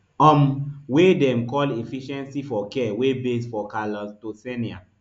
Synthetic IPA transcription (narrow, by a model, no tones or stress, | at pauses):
ɔ̃mwedɛ̃mkɔlefiʃɛ̃nsifɔkɛwebesfɔkalɔtosɛnia̰